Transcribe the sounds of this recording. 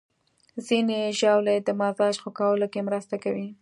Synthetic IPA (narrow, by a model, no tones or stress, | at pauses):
zineʒawled̪əmazɑʒxokɑwəlokemɾəst̪akawi